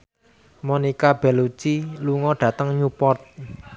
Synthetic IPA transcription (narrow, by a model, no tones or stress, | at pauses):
monikab̥ɛ̤lut͡ʃiluŋɔɖ̥ä̤t̪əŋɲupɔrt̪̚